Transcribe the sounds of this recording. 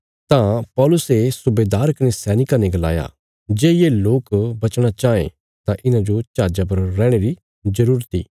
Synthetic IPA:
t̪ãpɔːlʊsesʊbeːd̪aːɾkɐnesɛːnɪkanẽɡɐla̰ːja̰ | d͡ʒeːjeloːkbɐt͡ʃɽ̃at͡ʃaːḛ̃ | t̪ãʔɪnãd͡ʒot͡ʃaːd͡ʒap̬ɐɾːɛ̃ːɽ̃eɾi | zɐɾuːɾt̪iː

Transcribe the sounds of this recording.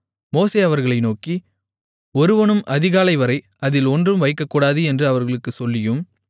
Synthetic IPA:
moːseːɐʋɐɾɣɐɭɐɪnoːki | ɔɾɯʋɐɳɯmʔɐðɪɣaːlɐɪʋɐɾɐɪ | ɐðɪlɔndrɯmʋɐɪkːɐkːuːɽaːðɯɛndrɯɐʋɐɾɣɐɭɯkːɯsɔlːɪjɯm

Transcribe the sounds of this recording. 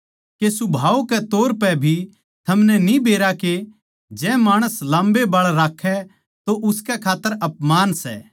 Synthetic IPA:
kesʊbʱaːukɛt̪oːɾpɛbʱi | t̪ʰɐmnɛnĩbeːɾake | d͡ʒɛ̃maːɽ̃əslãːmbebaːɭɾaːkʰɛ | t̪oʔʊskɛkʰaːt̪ːəɾɐpmaːnsɛ̰ː

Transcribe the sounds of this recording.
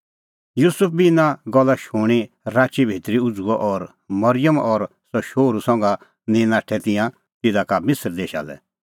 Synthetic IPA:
juːsʊp̚bʱinãɡɔlːaʃuɽ̃i | ɾaːt͡ʃibʱit̪ɾiʊd͡zuɔʔɔɾ | mɔɾɪjəmɔɾ | sɔʃoːɾusɔ̃ŋɡa | nɪnaːʈʰɛt̪ɪ̃jã | t̪ɪd̪akamɪsɾd̪eːʃa̰lɛ̰

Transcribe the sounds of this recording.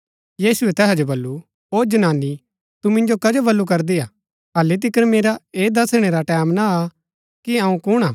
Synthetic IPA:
jiːsuɛt̪ɛːɦɛd͡ʒobɐlːu | oːd͡ʒɐnaːnːi | t̪umɪ̃nd͡ʒokɐd͡ʒobɐlːuk̬ɐɾd̪iaː | ɦɐlːit̪̬ɪkəɾmeːɾaeːd̪ɐsɽ̃eɾaʈɛːmnaa | kiɐũkʊɽ̃aː

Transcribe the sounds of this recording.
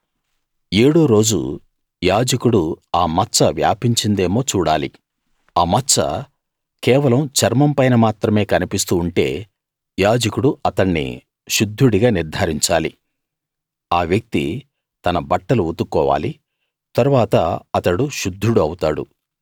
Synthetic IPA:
eːɽoːɾo̞ːd͡ʒṵ | jaːd͡ʒɐkuɽuaːmɐt͡ʃːɐʋja̰ːpiɲt͡ʃind̪e̞ːmo̞ːt͡ʃuːɽa̰ːli | aːmɐt͡ʃːɐ̰ | kɛːʋɐlɐmt͡ʃɐɾmɐmpɐjnɐmaːt̪ɾɐme̞ːkɐnipist̪uːɳʈe̞̰ː | jaːd͡ʒɐkuɽuʔɐt̪ɐɳːḭ | ʃud̪ʱːuɽiɡaːniɾd̪ʱaːɾiɲt͡ʃaːlḭ | aːʋjɐk̚t̪ḭ | t̪ɐnɐbɐʈːɐluut̪ukːɔːʋa̰ːli | t̪ɐɾuʋaːt̪ɐ̰ɐt̪ɐɽuʃud̪ʱːuɽuɐwut̪aːɽṵ

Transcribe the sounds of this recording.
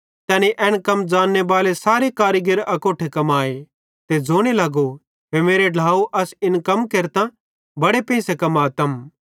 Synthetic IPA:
t̪ɛːneʔɛːɽ̃kɐmd͡ʒaːnːebaːlesaːɾekaːɾiɡɪɾɐkoːʈʰekɐmaːe | t̪ed͡zoːɽ̃elɐɡo | ɦemeːɾeɖʱlaːuʔɐsɪnkɐmkeɾt̪ã | bɐɽepɛ̃ːsekɐmaːt̪ɐm

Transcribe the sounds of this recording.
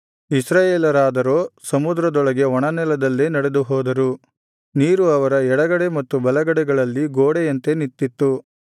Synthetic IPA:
isɾaːjeːlɐɾaːd̪ɐɾoːsɐmud̪ɾɐd̪ɔɭɐɡe̞ɔɳɐnɛlɐd̪ɐlːeːnɐɽe̞d̪uɦɔːd̪ɐɾu | niːɾuɐʋɐɾɐɛɽɐɡɐɽe̞mɐt̪ːubɐlɐɡɐɽɛɡɐɭɐlːiɡoːɽejɐnt̪e̞nit̪ːit̪ːu

